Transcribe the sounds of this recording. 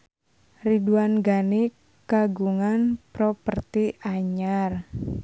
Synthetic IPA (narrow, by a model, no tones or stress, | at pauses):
riduanɡani | ɡ̥aɡuŋanpɾɔpərt̪iaɲar